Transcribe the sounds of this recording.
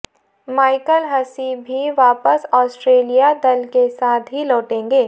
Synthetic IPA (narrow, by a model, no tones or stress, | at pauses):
maːɪkəlɦɐsibʱiʋaːpəsɔːsʈɾeːlijad̪ɐlkesaːt̪ʰɦilɔːʈẽːŋɡeː